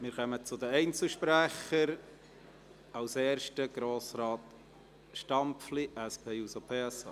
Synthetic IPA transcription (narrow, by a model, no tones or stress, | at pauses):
mɪːɾχœmət͡sʊd̪əɛɪnt͡sl̩ʃpɾæχəɾ | ɑwsɛːɾʃtəɡ̥ɾoːsɾɑːt | ʃtɑmpfliʔæspʰeːusopʰeːɛsɑ̰ː